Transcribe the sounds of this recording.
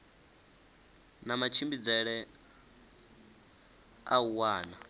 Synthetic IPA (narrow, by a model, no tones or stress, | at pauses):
namat͡ʃʰimbid͡zɛɺɛ | auwaːna